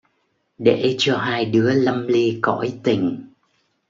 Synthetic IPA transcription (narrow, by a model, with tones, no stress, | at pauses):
ɗḛ˧˩˨t͡ɕɔ˧ɦaː˧jɗɨ˨˦ələ˧mli˧kɔ̰˧˥jt̪ï˨˩ŋ̟